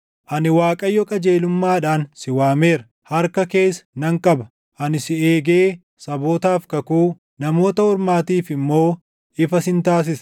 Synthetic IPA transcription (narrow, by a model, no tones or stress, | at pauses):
ʔɐnɪwaːkʼɐjːɔkʼɐd͡ʒe̞ːlʊmːaːᶑaːnsɪwaːme̞ːɾɐ | hɐɾkɐke̞ːsɐ̥nɐŋkʼɐbɐ | ʔɐnɪsɪeːɡeː | sɐboːt̪aːfkɐkuː | nɐmo̞ːt̪ɐɔɾmaːt̪iːfɪmːo̞ː | ɪfɐsɪnt̪aːs̬ɪs